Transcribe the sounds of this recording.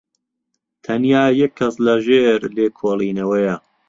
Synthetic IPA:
t̪ʰɐnjaːjɛkʰːɐslɐʒeːɾleːkʰoːlˠiːnɐwɐjɐ

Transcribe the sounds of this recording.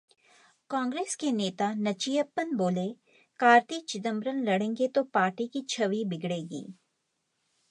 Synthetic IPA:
kãːŋɡɾeːskeneːt̪anɐt͡ʃijəpːənboːle | kaːɾt̪it͡ʃɪd̪ə̃mbɾənlɐɽẽːŋɡet̪opaːɾʈikit͡ʃʰɐʋibɪɡɽeːɡḭː

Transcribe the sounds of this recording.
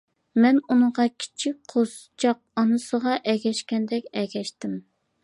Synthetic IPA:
mɛnunɨʁɑkʲʰi̥t͡ʃʰik̚ʲqʰost͡ʃʰɑq̚ɑnɨsəʁɑʔɛɡʲɛʃkʲɛnd̪ɛkʲɛɡʲɛʃt̪ɪm

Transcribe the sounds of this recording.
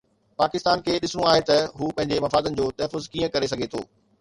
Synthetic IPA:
paːkɪst̪aːnkʰeːɗɪsʊɽ̃ũaːɦet̪ɐɦuːpɐ̃ɦɪ̃ɲd͡ʑemɐfaːd̪ənɪ̆d͡ʑoːt̪ɐɦfʊzkiːə̃kɐɾes̬ɐɡʱet̪ʰo̰ː

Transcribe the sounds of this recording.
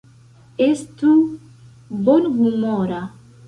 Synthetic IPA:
est̪u | bonɡumɔɾa

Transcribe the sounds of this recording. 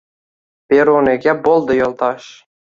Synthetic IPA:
pʲeɾonekʲæbolˠd̪ɤ̆jolˠt̪ɑʃ

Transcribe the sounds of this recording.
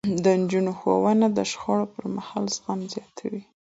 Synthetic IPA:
d̪ənd͡ʒunoxo̰wanad̪əʃxɑɽopəɾmahɑlzɣanzjɑt̪ʰawi

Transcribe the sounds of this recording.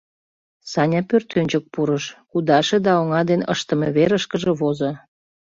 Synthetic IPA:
sɑnʲɑpørt̪ønʲt͡ɕək̚puɾəʃkud̪ɑʃed̪ɑoŋɑd̪enə̰ʃt̪ə̆meβeɾəʃkəʒĕβozo

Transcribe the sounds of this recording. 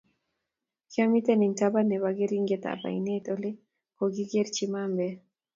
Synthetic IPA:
kamit̪ɛnɛŋtabanɛwaɡeɾiŋɡet̪a̰pa̰ḭnet̪ole | koɡiɡeɾt͡ʃimambɛ

